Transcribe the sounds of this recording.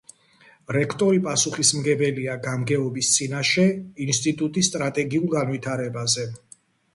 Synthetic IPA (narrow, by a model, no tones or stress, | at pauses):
ɾɛkʰt̪ʼɔɾipʼasuχismɡɛbɛliaɡamɡɛɔbist̪sʼinaʃɛinst̪ʼit̪ʼut̪ʼisːt̪ʼɾat̪ʼɛɡiulˠɡanvit̪ʰaɾɛbazɛ